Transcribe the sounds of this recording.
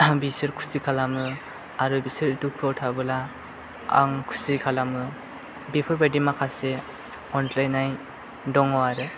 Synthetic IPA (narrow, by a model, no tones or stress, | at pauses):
bisɯɾkʰu̥sikʰalamɯ | aɾɯbisɯɾtukʰɯɔtʰabɯla | a̰ŋkʰu̥sikʰalamɯ | bipʰɔɾbadimakʰase | ɔntlajnːaj | dɔŋɔaɾɯ